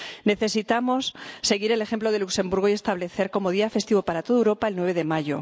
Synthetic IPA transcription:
ne̞θe̞sit̪amo̞sːe̞ɣ̞iɾe̞le̞xe̞mploðe̞lukse̞mbuɾɣ̞oie̞st̪aβle̞θe̞ɾko̞mo̞ð̞iafe̞st̪iβo̞paɾat̪o̞ð̞ewɾo̞paelnwe̞β̞e̞ðe̞maʝo̞̰

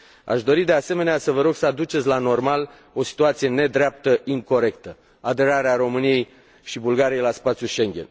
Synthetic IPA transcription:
a̰ʃd̪o̞ɾid̪e̞ase̞me̞neasəvəɾo̞ɡsəad̪ut͡ʃet̪sʲlano̞rmal | o̞si̥t̪uat̪sije̞ne̞d̪ɾeap̚t̪əʔiŋko̞ɾe̞kt̪ə | ad̪e̞ɾaɾeaɾo̞mɨnije̞j | ʃibulɡaɾijejlaspat̪sʲjuʃe̞ŋɡʲe̞̰n

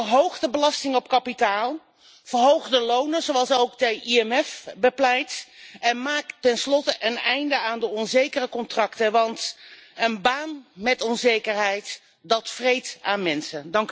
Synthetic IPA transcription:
ərɦowχdəbəlɑstɪŋɔp̚kɑpitaːlˠ | v̥əɹɦowχdəlownəzowɑlˠsowɡdəʔiɛmɛfbəplɛjtɛnmaːktɛnslɔtəʔənɛjndəaːndəɔnzejkərəkɔntrɑktəʋɑntənbaːnmɛtɔnzejkəɹɦɛjt | dɑtfrejtaːnmɛnsədɑŋk

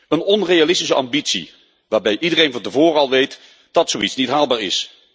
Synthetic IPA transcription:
ənɔnrejalɪstis̬əɑ̰mbitsḭ | ʋaːɹbɛjʔidərejnvɑntəvoːɾəɑlˠʋejt | d̥ɑtsowitsnitɦaːlˠbaːɹɪ̰s

